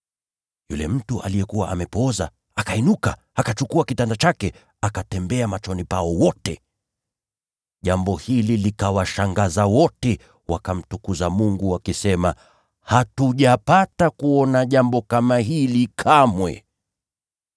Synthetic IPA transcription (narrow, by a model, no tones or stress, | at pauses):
jṵlɛm̩tuʔa̰lijɛkuwa̰ʔamɛpɔza̰ | akainuka̰ | akat͡ʃukuakitandat͡ʃakɛ | akatɛmbɛamat͡ʃɔnipaɔwɔtɛ | ʄambɔhililikawaʃaŋɡazawɔtɛ | wakam̩tukuzamuŋɡuwakisɛma | hatuʄapatakuɔnaʄambɔkamaɦilikʰamwɛ̰